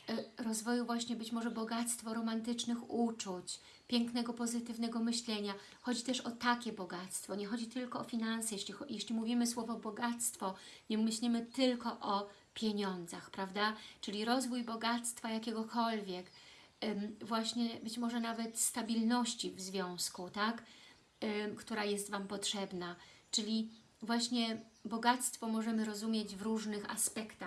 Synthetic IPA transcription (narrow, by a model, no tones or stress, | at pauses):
ɾɔzvɔjuvwaɕɲɛbɘt͡ɕmɔʐɛbɔɡat̪st̪fɔɾɔmant̪ɘt͡ʂnɘxut͡ʂut͡ɕ | pʲjɛŋknɛɡɔpɔzɘt̪ɘvnɛɡɔmɘɕlɛɲa | xɔd͡ʑit̪ɛʂɔt̪akʲɛbɔɡat̪st̪fɔɲɛxɔd͡ʑit̪ɘlkɔːfʲinansɛjɛɕlʲixjɛɕlʲimuvʲimɘswɔvɔbɔɡat̪st̪fɔɲɛmɘɕlʲimɘt̪ɘlkɔʔɔ | pʲjeɲɔnd̪zaxpɾavd̪at͡ʂɘlʲiɾɔzvujbɔɡat̪st̪fajakʲɛɡɔkɔlvʲjɛk | vwaɕɲɛbɘt͡ɕmɔʐɛnavɛt̪st̪abʲilnɔɕt͡ɕivzvʲjɔ̃w̃skut̪ak | kt̪uɾajɛst̪vampɔtʂɛbnat͡ʂɘlʲi | vwaɕɲɛbɔɡat̪st̪fɔmɔʐɛmɘɾɔzumʲjɛd͡ʑvɾuʐnɘxa̰spɛkt̪ax